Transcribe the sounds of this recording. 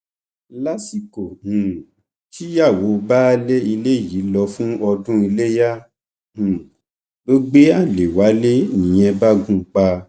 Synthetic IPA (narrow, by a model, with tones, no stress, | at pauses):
la˦si˦˨ko˨hũ˨ | tʰi˦ja˦˨wo˨˦˧ba˦˧˦le˦i˧le˦˨ji˨˦lɔ˧fũ˦ɔ˧dũ˦i˧le˦ja˦ | ũ˨ | bo˦ɡ͡be˦a˦˨le˨wa˨˦le˦nĩ˨j̃ɛ̃˧ba˦ɡũ˦k͡pa˧